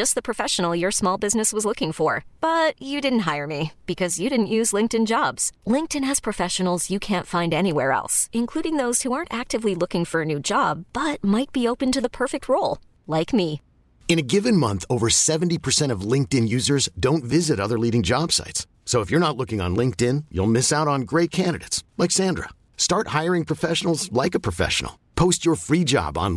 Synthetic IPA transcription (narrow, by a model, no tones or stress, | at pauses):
d͡ʒʌst̚ðɨpʰɹ̥ɨfɛʃən̩l̩ˠjə˞smɔlˠbɪznɨswʌzlʊkɪ̃ŋfə˞b̥ʌt͡ʃɨdɪdⁿn̩t̚ɦaɪə˞mib̥ɨkʰʌzjɨɾɪdⁿn̩ʔjʉzlɪ̃ŋk̚tɨ̃nd͡ʒɑbz̥lɪ̃ŋk̚tɨ̃nɨz̥pʰɹ̥ɨfɛʃɨn̩l̩ˠzjɨkʰæ̃ntfãɪ̃ndɛñiwɛɹɛ̰lˠsɨ̃nkʰl̥uɾɪ̃ŋðoʊz̥huɑɹntæk̚tɨvlilʊkɪ̃ŋfə˞ɨnʉd͡ʒɑb̥ʌt̚maɪt̚b̥ioʊpɨ̃ntɨðəpʰɜ˞fɨk̚t̚ʰɹoʊlˠ | laɪkmi | ɨ̃nɨɡɪvɨ̃nmʌ̃nθoʊvə˞sɛvn̩tipʰə˞sɛ̃ɾ̃ʌvlɪ̃ŋk̚tɪ̃njʉzə˞zdõʊ̃ntvɪzɨɾʌðə˞liɾɪ̃ŋd͡ʒɑb̥sa̰ɪtsːoʊəfjə˞ñətˡlʊkɪ̃ŋə̰̃nlɪ̃ŋk̚tɪ̃njṵlˠmɪsaʊɾn̩ɡɹeɪt̚kʰæ̃ndɨɾeɪtslaɪksæ̃ndɹə̰ | stɑɹt̚haɪə˞ɪ̃ŋpʰɹ̥ɨfɛʃn̩l̩ˠzlaɪkəpʰɹ̥əfɛ̰ʃn̩̰l̩ˠpʰoʊst͡ʃə˞fɹid͡ʒɑ̰b̃n̩